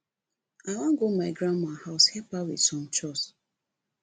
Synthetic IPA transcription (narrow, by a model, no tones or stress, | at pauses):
aɪwãnɡomaɪɡɾãnmahaʊshɛpawḭdsɔ̃mt͡ʃɔs